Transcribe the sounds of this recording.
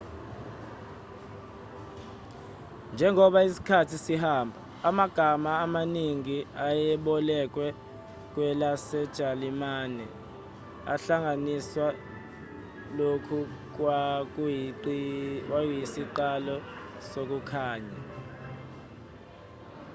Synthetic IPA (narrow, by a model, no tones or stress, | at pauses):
nd͡ʒʱɛŋɔɓaisi̥kʰatʰisihaːmbʱa | amaɡ̥ʱamaːmaniŋiajɛɓɔlɛk̬wɛ | k̬wɛlasɛd̥ʒ̥ʱalimaːnɛ | a̰ɬaŋʱaniswa | lokʰu | k̬wa | ajisiǃalɔ | sok̬ukʰaːɲa̰